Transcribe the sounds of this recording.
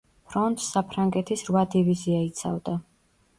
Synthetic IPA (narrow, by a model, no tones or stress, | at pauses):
pʰɾɔnt̪ʰsapʰɾaŋɡɛt̪ʰisɾvad̪iviziait̪sʰa̰vd̪a